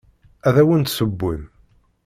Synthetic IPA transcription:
æðæwənt̪səbːṵð

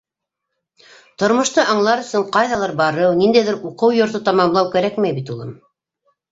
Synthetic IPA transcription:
t̪ŏɾmŏʃt̪ɤʔɑɴlˠɑɾɵ̆sɵɴqɑjðɑlˠɑɾbɑɾɤwnind̪æjðɘɾuqɤwjŏɾt̪̬ɤt̪ɑmɑmlˠɑwkæɾækmæjbit̪ulˠɤ̰m

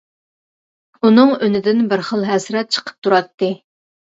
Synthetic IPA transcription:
unɨŋønɪd̪ɪnbɪɾχəlˠɦɛsɾɛt̪̚t͡ʃʰə̥qʰə̥p̚t̪ʰuɾɑt̪ːɨ

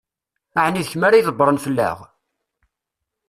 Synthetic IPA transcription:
aʕniðəçmaɾajðˤəbːɾˤənfəlːæ̰ʁ

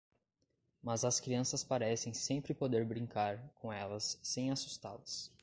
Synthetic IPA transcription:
mɐzɐskɾiɐ̃sɐspaɾɛsẽj̃sẽmpɾɪpod̪eɾbɾĩŋkaɾkõɛlɐsːẽj̃asu̥st̪a̰lɐs

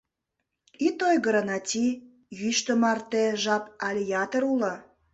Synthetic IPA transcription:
it̪ojɣəɾə̆nɑtʲi | jyʃt̪əmɑrt̪eʒɑpɑlʲijɑt̪əɾulə̆

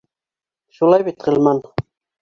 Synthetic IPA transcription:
ʃulˠɑjbit̪ʁɘ̆lmɑn

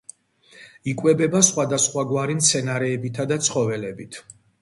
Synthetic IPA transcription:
ikʼwɛbɛbasχwad̪asχwaɡwaɾimt̪sʰɛnaɾɛːbit̪ʰad̪at̪sʰχɔvɛlɛbit̪ʰ

